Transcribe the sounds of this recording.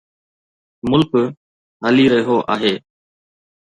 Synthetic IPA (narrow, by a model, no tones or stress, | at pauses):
mʊlk | ɦəliːɾəɦiɦoːʔa̰ːɦeː